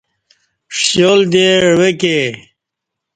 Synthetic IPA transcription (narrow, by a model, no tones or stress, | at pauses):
ʂjold̪eɻweke